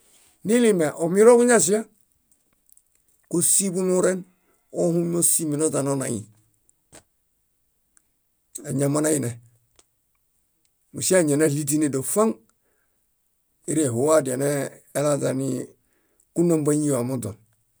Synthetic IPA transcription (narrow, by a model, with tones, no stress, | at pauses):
ni˦lime˨ʔo˨mi˦ɾo˦ku˦ɲa˦s̬i˦a˦ | ko˦si˦bu˦nu˦ɾe˦n | o˦hu˦mo˦si˦mi˨no˦ta˨no˦na̰˨jḭ˨ | a˨ɲa˨ma˦na˦ji˦ne˨ | mu˨si˦a˦ɲe˨na˦li˦t̬i˦ne˦˨do˨fa˦ŋ | i˦ɾe˨ɦu˨wa˦di˨a˨neː˦lata˨ni | ku˦nːo˦mba˦ɲi˦wa˨mu˦nto̰˨n